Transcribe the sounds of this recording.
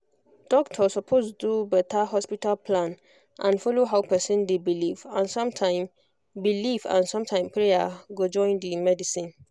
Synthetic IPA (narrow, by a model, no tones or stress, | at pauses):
d̥ɔk̚tʰɔsɔpʰostdubɛtʰaɦɔspitalpʰlãn | ʔãnfɔloɦaʊpʰɛsĩndebilivãnsɔ̃mtʰãɪ̃m | bilivã̰nsɔ̃mtʰãɪ̃mpʰɹejaɡod͡ʒɔ̃ɪ̃ndimɛdisĩn